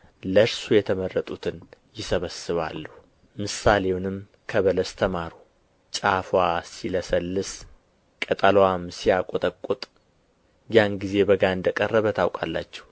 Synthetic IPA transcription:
ləɾsujɛt̪ʰəmərːət̪ʼut̪ʰɨnjɪsəβəsɨβa̰lːəhu | mɨsale̞wnɨm | kʰəβələst̪ʰəmaɾu | t͡ʃʼafwasiləsəlːɨs | kʼət̪ʼalwamsijakʼot̪ʼəkʼːut̪ʼ | janɡize̞bəɡaɨnd̪əkʼərːəβət̪ʰawkʼa̰lːa̰t͡ʃːɛ̥h

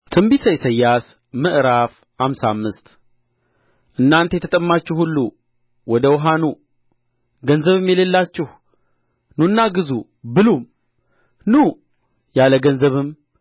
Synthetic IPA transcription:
t̪ʰɨmbisəjsəjːas | mɨʔɾaf | hamsa̰mːɨst̪ | ʔɨnːant̪ejɛt̪ʰət̪ʼəmːat͡ʃːɪhulːu | wɔd̪əwɦanu | ɡənzəβɨmjɛlelːat͡ʃːɪh | nunːaɡɨzu | bɨlum | nu | jaləɡənzəβɨm

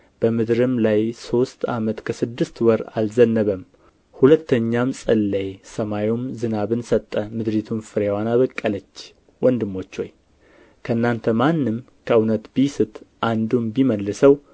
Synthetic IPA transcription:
b̥əmɨd̪ɾɨmlajso̞st̪amət̪kʰəsɨd̪ːɨst̪wɔɾa̰lzənːəβəm | hulət̪ːəɲːamsʼɨlːejsəmajomzɨnaβɨnsət̪ʼːəmɨd̪ɾit̪ʰumfɨɾewanaβəkʼːələt͡ʃː | wʔɔnd̪ɨmːo̞t͡ʃːo̞̰j | kʰəɨnːant̪ʰəmanːɨm | kʰəɨwnət̪bijsɨt̪ʰʔand̪umbiməlːɨsəw

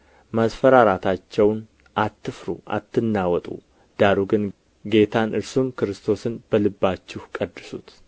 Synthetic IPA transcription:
masfəɾaɾat̪ʰat͡ʃːɛwn | ʔat̪ʰːɨfɾṵʔa̰t̪ːɨnːawɔt̪ʼṵ | d̪̥aɾuɡɨn | ɡe̞t̪ʰanʔɨɾsumkɨɾɨst̪ʰo̞sɨnb̥əlɨbːat͡ʃːɪhkʼəd̪ːɨsut̪

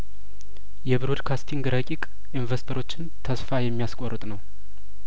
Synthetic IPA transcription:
jɛβɨɾud̪kʰast̪ʰiŋɡɾəkʼikʼ | ʔinvəst̪ʰəɾo̞t͡ʃːɪnt̪ʰəsfajɛmːijaskʼorːɨt̪ʼnəw

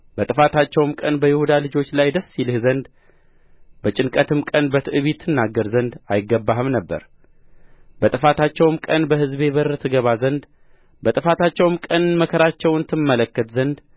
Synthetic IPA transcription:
bət̪ʼɨfat̪ʰat͡ʃːɛwmkʼənbəjɪhud̪alɨd͡ʒo̞t͡ʃːlajd̪əsːilɨhzənd̪ | bət͡ʃʼɪnkʼət̪ʰɨmkʼənbət̪ʰɨʔɨβit̪ʰːɨnːaɡːəɾzənd̪ajɪɡːəbːahɨmnəbːə̰ɾ | bət̪ʼɨfat̪ʰat͡ʃːɛwɨmkʼənbəhɨzbe̞βərət̪ʰɨɡəβazənd̪ | bət̪ʼɨfat̪ʰat͡ʃːɛwmkʼənməkʰəɾat͡ʃːɛwɨnt̪ʰɨmːələkːət̪zənd̪

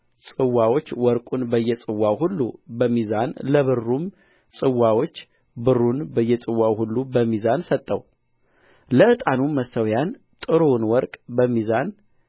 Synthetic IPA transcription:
sʼɨwːawo̞t͡ʃːwɔɾkʼunbəjːɛt͡sʼɨwːawhulːṵbəmizanləβɨrːum | sʼɨwːawot͡ʃː | bɨrːunbəjːɛt͡sʼɨwːawhulːubəmːizansət̪ʼːəw | ləʔɨt̪ʼanuməsːəwjan | t̪ʼɨɾonwɔɾkʼbəmːizan

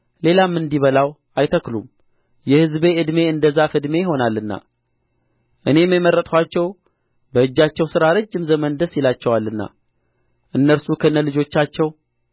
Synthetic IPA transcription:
le̞lamːɨnd̪iβəlaw | ajt̪ʰəklṵm | jɛhɨzbe̞ɨd̪me̞ɨnd̪əzːafɨd̪me̞jɪɦo̞nalːɨnːa̰ | ʔɨne̞məməɾːət̪ʼkʰʷwʷat͡ʃːɛw | bəɨd͡ʒːat͡ʃːɛwsɨɾaɾɨd͡ʒːɨmzəmənd̪əsilat͡ʃːɛwalːɨnːa̰ | ʔɨnːəɾsukʰənːəlɨd͡ʒo̞t͡ʃːat͡ʃːɛw

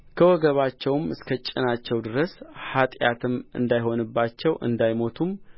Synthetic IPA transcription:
kʰəwɔɡəβat͡ʃːɛwmɨskʰət͡ʃʼɪnat͡ʃːɛwd̪ɨɾəshat̪ʼjat̪ʰɨmɨ̰nd̪ajho̞nɨbːat͡ʃːɛwʔɨ̰nd̪ajmo̞t̪ʰum

